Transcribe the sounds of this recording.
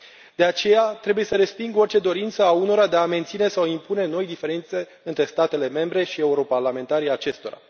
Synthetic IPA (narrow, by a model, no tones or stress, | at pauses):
d̪̥e̞at͡ʃe̞jat̪ɾe̞buje̞səɾe̞spiŋɡo̞rt͡ʃe̞d̪o̞ɾint̪səauno̞ɾad̪eame̞nt̪sine̞sawimpune̞no̞jd̪ife̞ɾent̪se̞ | ɨnt̪ɾe̞st̪at̪e̞le̞me̞mbɾe̞ʃie̞uɾo̞parlame̞nt̪aɾiat͡ʃe̞st̪o̞ɾa̰